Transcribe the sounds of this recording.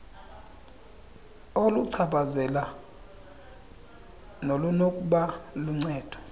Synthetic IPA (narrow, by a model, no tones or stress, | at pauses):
oluǀʰabazɛla | nolunokʼuɓaluŋ͡ǀɛːd̥ʱɔ̥